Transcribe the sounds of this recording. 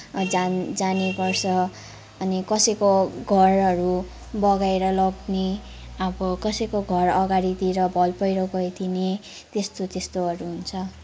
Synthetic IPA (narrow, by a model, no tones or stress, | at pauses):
d͡zad͡zanepʌrsʰʌː | nikʌsʌjkoɡʱʌrʌɾu | bʌɡaeɾʌlʌɡne | ʌbʌkʌsʌjkoɡʱʌrʌɡaɾit̪iɾʌbʱʌlpʌjɾoɡʌjt̪ʰine | t̪est̪ot̪est̪oʌɾuɦunt͡sʰʌ